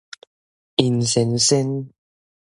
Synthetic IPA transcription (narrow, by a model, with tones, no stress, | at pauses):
i˨n˨sɛ˨nsɛ˦n